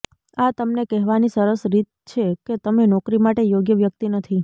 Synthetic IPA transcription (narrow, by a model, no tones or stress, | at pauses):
at̪əmnekɛɦʋanisəɾəsɾit̪̚ | t͡ʃʰeket̪əmenɔkɾimaʈejoɡjəʋjək̚t̪inət̪ʰi